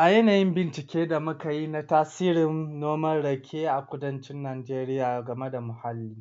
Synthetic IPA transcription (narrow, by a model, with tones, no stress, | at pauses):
ʔa˨jɐ˦naː˨jɪ˦mbɪ˨nt͡ʃɪ˨kʲeː˦da˨mʊ˦ka˨ji˦na˦taː˦siː˦ɾɪ˨nːoː˦mɐ˦rɽɐ˨kʲʰeː˦ʔa˨kʷʊ˦dɐ˦nt͡ʃɪ˦nːaː˨d͡ʒeː˦ɾɪ˦jaː˨ɡɐ˨me˦da˨mʊ˨ha˦lːiː˦